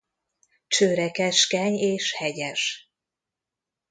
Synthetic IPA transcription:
t͡ʃøːɾɛkɛʃkɛɲeːʃhɛɟɛʃ

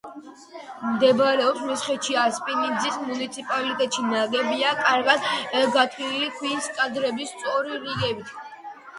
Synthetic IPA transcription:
md̪ɛbaɾɛɔpsmɛsχɛt͡ʃiaspʼinind̪zismunit̪sʰipʼalit̪ʼɛt̪ʼʃinaɡɛbiakʼaɾɡad̪ɡat̪ʰilikʰwinskʼad̪ɾɛbist̪sʼɔɾiɾiɡɛbit̪ʰ

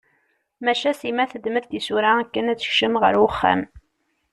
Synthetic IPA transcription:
mæʃæsimæθəd̪məðt̪isuɾaækːənæt͡sːə̥çʃəmʁə̰ɾwʊχːa̰m

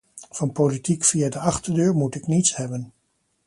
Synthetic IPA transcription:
v̥ɑnpowlitikfiadəɑχtəɹdøːɹmutɪknitsɦɛbən

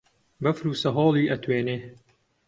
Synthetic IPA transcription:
bɐfɾuːsɐɦoːlˠiːʔɐt̪ʰweːneː

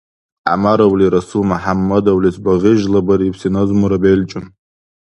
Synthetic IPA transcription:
a̰maɾawliɾasumaħamːadawlisbaʁʲɪʒlabaɾipʰsinazmuɾabejlt͡ʃʼʊn

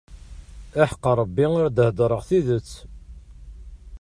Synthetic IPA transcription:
æħə̥qːɑɾˤəbːioɾd̪əhd̪ˤɾˤəʁθiðət͡sː

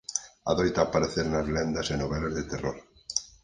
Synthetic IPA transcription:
a̰ðojt̪aːpaɾeθeɾnazlend̪ɐsenoβɛlazðet̪ero̰ɾ

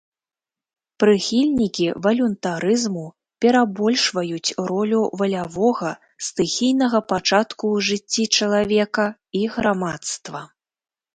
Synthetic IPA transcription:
pɾɨxʲilʲnʲikʲivɐlʲunt̪aɾɨzmu | pʲɛɾabɔlʲʂvɐjut͡sʲɾɔlʲuvɐlʲavɔɣɐ | st̪ɨxʲijnɐɣɐpat͡ʂat̪kuʐɨt͡sʲːit͡ʂɐlˠavʲɛkɐiɣɾamat̪st̪vɐ

